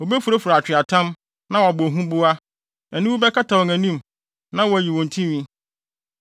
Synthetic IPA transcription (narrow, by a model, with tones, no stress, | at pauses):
wo˨be˦fu˨ɾo˦fu˨ɾa˨t͡ɕʰᶣɪ˨a˨tʰã˦m | nã˦wɔ˨a˨bʊ˨o˨ɦũ˦bʊ˦a˦ | ɛ˨nũ˦wu˦bɛ˦kʰa˦tʰa˨wɔ˨ŋæ̃˨nĩ˦m | nã˦wɔ˨æ˨ji˨wɔ̃˨n˨tʰĩ˦ɥĩ˦